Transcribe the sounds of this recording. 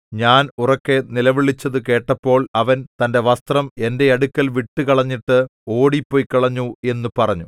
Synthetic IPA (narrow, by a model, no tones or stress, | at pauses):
ɲaːnurɐkːe̞nilɐʋiɭit͡ɕːɐðɨke̞ːʈːɐpːo̞ːɭɐʋɐnt̪ɐnde̞ʋɐst̪rɐme̞nde̞ɐɽukʲːɐlʋiʈːɨkɐɭɐɲːiʈːɨo̞ːɽipːo̞ːjkːɐɭɐɲːue̞nːupɐrɐɲːu